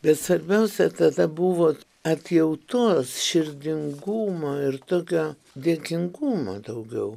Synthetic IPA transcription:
bʲɛt̪sʋɐɾʲbʲɛʊsʲɛt̪ɐd̪ɐbuʋoː | ɐt̪ʲjɛʊt̪oːsʃʲɪɾʲd̪ʲɪŋɡuːmoːɪrt̪oːkʲoː | d̪ʲeːkʲɪŋɡuːmo̰ːd̪ɐʊɡʲɛʊ

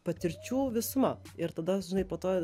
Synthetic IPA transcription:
pɐt̪ʲɪɾʲt͡ʃʲuːʋʲɪsʊmɐ | ɪɾt̪ɐd̪ɐʒʲɪnɐɪpoːt̪oː

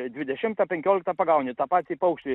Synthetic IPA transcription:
d̪ʲʋʲɪd̪ʲɛʃʲɪmt̪ɐpʲɛŋʲkʲoːlʲɪkt̪ɐpɐɡɐʊnʲit̪ɑːpɑːt̪sʲipɐʊkʃt̪ʲi

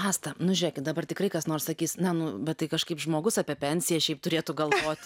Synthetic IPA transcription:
ɑːst̪ɐnʊʒʲʊɾʲeːkʲɪt̪̚d̪ɐbɐrt̪ʲɪkɾɐɪkɐsnoːrssɐkʲiːsnʲɛnʊbʲɛt̪t̪ːɐɪkɐʃkɐɪpʒmoːɡʊsɑːpʲiɛpʲɛnʲsʲɪjɛʃʲɛɪp̚t̪ʊɾʲeːt̪ʊɡɐlˠʋoːt̪ʲ

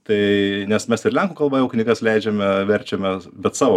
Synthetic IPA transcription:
t̪ɐɪnʲɛsmʲɛsɪrlʲɛŋkuːkɐlˠbɐjɛʊknʲiːɡɐslʲɛɪd͡ʒʲɛmʲɛʋʲɛɾʲt͡ʃʲɛmʲɛbʲɛt̪sɑːʋo

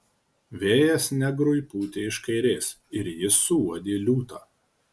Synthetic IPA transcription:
ʋʲeːjɛsnʲɛɡɾʊjpuːt̪ʲeːɪʃkɐɪɾʲeːs | ɪɾjɪsʊuɔd̪ʲeːlʲuːt̪ɑː

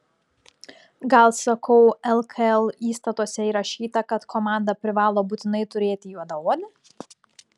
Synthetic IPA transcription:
ɡɐlˠsɐkʰɐʊɛlˠkʰɐɛlˠiːst̪ɐt̪oːsʲɛiːɾɐʃʲiːt̪ɐkɐt̪kʰɔmɑˑnd̪ɐpʲɾʲɪʋɑːlˠoːbuːt̪ʲɪnɐɪt̪ʊɾʲeːt̪ʲɪjuɔd̪ɐoːd̪ʲɪ

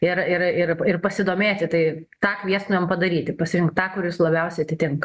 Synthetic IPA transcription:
ɪrɪrɪrɪrpɐsʲɪd̪oːmʲeːt̪ʲɪt̪ɐɪt̪ɑːkʋʲiɛsnʊɛmpɐd̪ɐɾʲiːt̪ʲɪpɐsʲɪɾʲɪŋktt̪ɑːkʊɾʲjɪslˠɐbʲɛʊsʲɛɪɐt̪ʲɪt̪ʲɪŋk

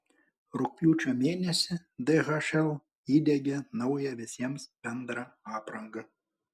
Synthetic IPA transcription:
ɾʊk̚pʲuːt͡ʃʲomʲeːnʲɛsʲɪ | d̪ɛɣɐʃɛlˠ | iːd̪ʲɛɡʲɛnɐʊjɛʋʲɪsʲiɛmsbʲɛnd̪ɾɐɑːpɾɐŋɡɐ

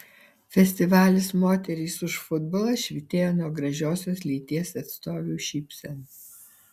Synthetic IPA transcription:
fʲɛsʲt̪ʲɪʋɑːlʲɪsmoːt̪ʲɛɾʲiːsʊʃfʊd̪boːlˠɐʃʲʋʲɪt̪ʲeːjoːnuɔɡɾɐʒʲoːsʲoːslʲiːt̪ʲiɛsɐt̪st̪oːʋʲuːʃʲɪpʲsʲɛns

